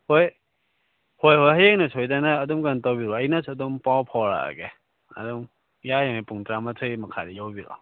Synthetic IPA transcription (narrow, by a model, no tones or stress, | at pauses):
hoj | hojhojɦajeŋnɐsʰojdanaːdumɡantawbiɾɔɐjnasʰɐdumpawpʰɔɾa̰ɡe | ɐ̰duŋ | jajaŋejpuŋtɾamatʰɯjmɐkʰaɾijawbiɾa̰